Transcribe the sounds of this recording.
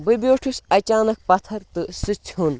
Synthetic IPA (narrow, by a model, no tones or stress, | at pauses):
bɨbʲoːʈʰisɐt͡ʃaːnɐk̚pɐt̪ʰɐɾt̪ɨsɨt͡ʃʰɦun